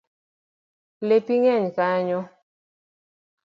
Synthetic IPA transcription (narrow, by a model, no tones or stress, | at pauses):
lepiŋɛɲkaɲɔ